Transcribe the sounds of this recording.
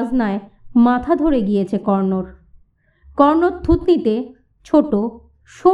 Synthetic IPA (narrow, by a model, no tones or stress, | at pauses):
d͡ʑnaemat̪ʰad̪ʱoɾeɡijet͡ɕʰekɔɾnoɾ | kɔɾnoɾt̪ʰut̪nit̪e | t͡ɕʰoʈo | ʃo